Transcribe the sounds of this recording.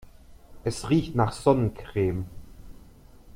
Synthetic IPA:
ʔɛsʁiːçtnaːχz̥ɔnənkʁ̥eːm

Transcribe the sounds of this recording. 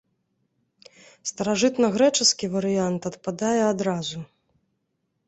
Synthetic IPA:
st̪ɐɾaʐɨt̪nɐɣɾɛt͡ʂɨskʲivɐɾɨjant̪ɐt̪pad̪ajɛad̪ɾazu

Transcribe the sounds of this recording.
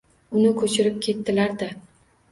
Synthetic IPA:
ʊnɪkʰɵt͡ʃʰɪɾɪp̚kʲʰe̞t̪ːɪlaɾd̪a

